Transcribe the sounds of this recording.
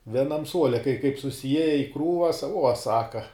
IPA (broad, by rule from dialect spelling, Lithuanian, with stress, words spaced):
ʋʲiɛˈnɐm ˈsuɔlʲɛ kɐɪ kɐɪp sʊsʲɪˈjiɛjɛ ɪ ˈkruːʋɐs uɔ ˈsɑːkɐ